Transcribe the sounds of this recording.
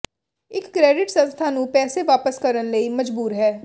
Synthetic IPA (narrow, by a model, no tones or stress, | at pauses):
ɪkːɾɛːɖɪʈsə̃nst̪ʰaːnũːpɛːseʋaːpəskəɾənləiːməd͡ʒbuːɾɦɛː